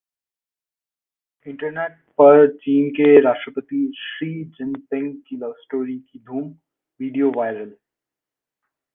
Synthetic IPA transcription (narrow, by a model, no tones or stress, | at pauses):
ɪ̃ɳʈəɾneːʈ | pɐɾt͡ʃiːnkeɾaːʃʈɾəpət̪iʃɾiːd͡ʒɪ̃mpɪ̃ŋɡkilɐʋsʈoːɾikid̪ʱuːm | ʋiːɖijoʋaːɪɾəl